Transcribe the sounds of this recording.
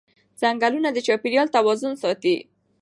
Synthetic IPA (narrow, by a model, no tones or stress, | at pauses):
z̥aŋɡalunad̪ət͡ʃɑpiɾjɑlt̪awɑzʊnsɑt̪i